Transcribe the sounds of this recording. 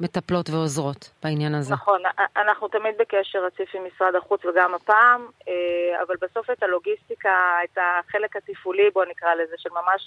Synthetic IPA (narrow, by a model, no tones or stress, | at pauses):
me̞t̪aplo̞tveozʁo̞tb̥ainjanazneaχo̞nanaχnut̪amid̪̚bekeʃe̞ʁat͡sifimisʁad̪aχut͡sveɡamapaːmea̰valbeso̞fetalo̞ɡist̪ikaetaχe̞le̞khatifulibo̞nikʁalezeʃelmamaʃ